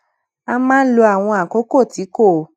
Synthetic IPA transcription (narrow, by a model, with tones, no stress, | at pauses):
a˧mãː˦lo˧a˨w̃ɔ̃˧a˨ko˨˦ko˦˨ti˨˦ko˦˨